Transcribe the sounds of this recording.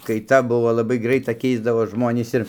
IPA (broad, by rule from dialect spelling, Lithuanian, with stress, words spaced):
kɐɪˈtɐ ˈbʊʋoː lˠɐˈbɐɪ ˈɡrɐɪtɐ ˈkʲɛɪzdɐʋoːs ˈʒmoːnʲiːs ɪr